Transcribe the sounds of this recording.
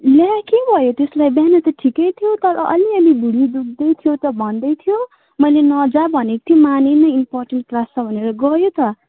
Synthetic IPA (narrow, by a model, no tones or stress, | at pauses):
ljakebʱʌjot̪eslajbjanʌt̪ʈʰikʌjt̪ʰjot̪ʌɾʌʔʌ̰liʌlibʱuɽid̪uk̚d̪ʌjt̪ʰijot̪ʌbʱʌnd̪ʌjt̪ʰijo | mʌjlenʌd͡zabʱʌnekʌt̪ʰjomanenʌimpɔrʈenʈ̚klasʰʌbʱʌneɾʌɡʌjot̪ʌ